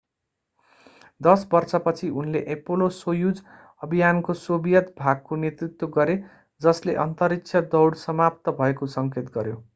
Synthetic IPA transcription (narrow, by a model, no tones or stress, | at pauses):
d̪ʌsbʌrt͡sʌpʌt͡sʰiʔunleʔepolosojud͡z | ʌbʱijankosobijʌt̪bʱaɡ̚konet̪rit̪woɡʌɾe | d͡zʌsleʔʌnt̪ʌɾikt͡sʰʌd̪ʌwɽsʌmap̚t̪ʌbʱʌekosʌŋket̪ɡʌɾjo